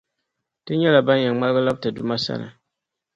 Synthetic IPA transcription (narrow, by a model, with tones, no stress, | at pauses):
tɨ˦ɲɛ˦la˨ba˦n˦jɛ˨ŋŋ͡ma˦lɨ˦ɡɨ˦la˦b̚tɨ˨du˨ma˦sa̰˦nɨ̰˨